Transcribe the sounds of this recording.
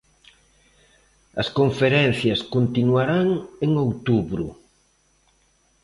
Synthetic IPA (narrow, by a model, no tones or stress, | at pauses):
ɐskoɱfeɾɛn̟θjɐskont̪inuaɾaŋeŋowt̪uβɾṵ